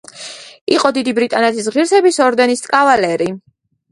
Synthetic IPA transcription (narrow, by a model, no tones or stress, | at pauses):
iqʼɔd̪id̪ibɾit̪ʼanɛt̪ʰis̬ʁiɾsɛbisɔɾd̪ɛnist̪ʼkʼavalɛɾi